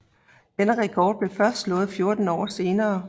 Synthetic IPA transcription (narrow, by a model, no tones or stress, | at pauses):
d̥enəʁɛkʰɒ̰ːd̥̚b̥le̝fɶɐsd̥slɔ̽ːð̞̩ˠfjo̝ɐd̥n̩ɒ̰ːse̝ːnɐː